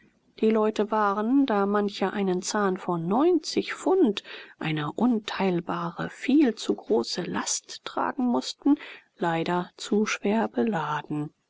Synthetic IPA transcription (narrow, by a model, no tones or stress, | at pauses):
d̥iːlɔʏtəvaːʁəndaːmançəʔaɪnənt͡saːnfɔnːɔʏnt͡sɪçfʊntʔa̰ɪnəʔʊntʰaɪlbaːʁə̰fiːlt͡suɡʁoːsəla̰stʁ̥a̰ːɡŋ̩mʊstn̩laɪdɐt͡suʃv̥eːɐbəlaːdn̩